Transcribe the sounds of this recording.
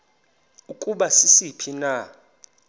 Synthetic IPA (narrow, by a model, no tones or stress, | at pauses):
ukʼuɓasisipʰina